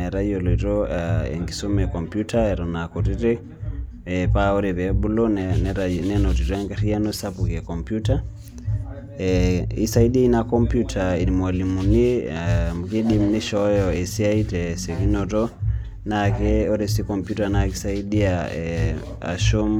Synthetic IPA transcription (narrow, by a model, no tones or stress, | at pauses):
ɛɾaɔloitɔaɛ̰ŋɡisomɛkɔmpjutaɛɾɔnakoɾiɾe | ɛpaoɾeβɛbulonnɾanɛnotiɾɔɛŋɡaɾianosapukɛkɔmpjuta | ɛisaidiinakɔmpjutʰainimwalimunimukiɗimneʃɔjɔesiaitɛsekinɔtɔ | nakɛoɾesikɔmpjutanakisaidiaɛ | a̰ʃom